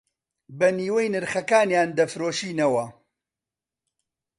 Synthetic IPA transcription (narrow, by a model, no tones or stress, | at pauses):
bɐniːwɐjnɨɾxɐkaːnjaːnd̪ɐfɾoːʃiːnɐwɐ